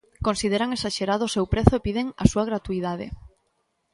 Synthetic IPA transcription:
konsið̞eɾaŋesaʃeɾaðʊsewpɾeθʊepiðeŋa̰suaɣɾat̪uiðað̞ḛ

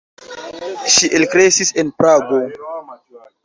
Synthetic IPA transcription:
ʃiʔelkɾesisenpɾaɡo

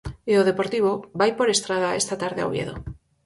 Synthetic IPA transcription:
eoð̞epoɾt̪iβ̞obajpoɾest̪ɾað̞aḛst̪at̪aɾðea̰wβjḛðo̰

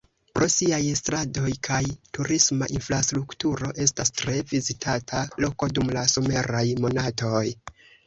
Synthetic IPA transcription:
pɾo̞siajstɾado̞jkʰajtuɾismaʔinfɾastɾuktuɾo̞ʔe̞stastɾe̞vizitʰatʰalo̞ko̞dumlaso̞me̞ɾajmo̞nato̞j

